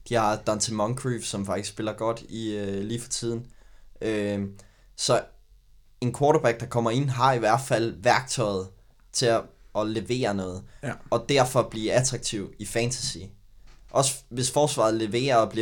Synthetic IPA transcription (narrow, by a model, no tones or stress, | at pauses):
d̥ihɑ̈d̥ɑnt͡sʰemɒŋkʰʁiːfsɒ̽mfɑ̈ɡ̥isɡ̥sb̥e̝lɐɡ̥ɒ̽d̥iøliːfɒ̥̽t͡sʰið̞̰ˠn̩ø | sɒ̽ | e̝nkʰwɒːɾob̥æɡ̥̚d̥ɑ̈kʰɒ̽m̰ɐe̝n̰ɦɑ̈iʋæɐ̰d̥fæl̰ʋæɐɡ̥̚t͡sʰɒ̽ɪð̞̩ˠ | t͡sʰe̝ɒ̽le̝ʋe̝̰ːɐnɔ̽ːð̞̩ˠɒ̽d̥æɐfɒ̽b̥liːæt͡sʰʁɑ̈ɡ̥̚t͡sʰiʊ̰ifænt͡sʰæsḭ | ʔɒ̽sə̥ʋe̝sfɒːsʋɑ̈ːð̩ˠle̝ʋe̝̰ːɐɒb̥liɐ